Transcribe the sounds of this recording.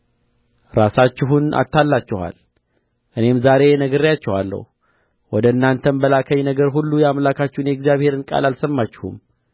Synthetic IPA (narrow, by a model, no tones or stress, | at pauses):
ɾasat͡ʃːɪɦunʔa̰t̪ːalːat͡ʃːɪha̰l | ʔɨne̞mzaɾe̞nəɡəɾijat͡ʃːɛhalːə̰hu | wɔd̪əɨnːant̪ʰənbəlakʰəɲnəɡəɾɦulːujɛamlakʰat͡ʃːɪhunjɛɡzjaβhe̞ɾɨnkʼa̰lalsəmːat͡ʃːɪhṵm